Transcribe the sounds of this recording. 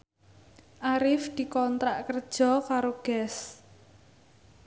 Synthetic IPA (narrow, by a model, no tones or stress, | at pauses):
ʔaɾɪfd̪̥i̤kɔnt̪ɾaʔkər̥ʒ̥ɔ̤kaɾoɡ̥ɛs